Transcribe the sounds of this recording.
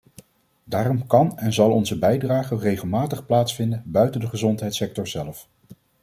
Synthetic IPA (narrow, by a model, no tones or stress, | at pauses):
daːrɔmkɑnɛnzɑlˠɔnzəbɛjdraːχərejχəlˠmaːtəχplaːtsfɪndənbœɥtəndəχəzɔntɦɛjtsɛk̚tɔɹz̥ɛlf